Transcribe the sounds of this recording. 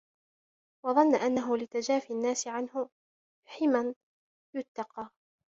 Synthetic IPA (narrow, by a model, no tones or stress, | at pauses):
wɑðˤɑnːʔanːaɦʊlɪt̪ad͡ʒaːfianːaːsɪʕanhʊ | ħiːman | jʊt̪ːɑqɑː